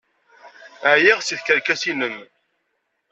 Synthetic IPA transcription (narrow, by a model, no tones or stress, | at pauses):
ʕjiʁsiθkəɾkæsiləm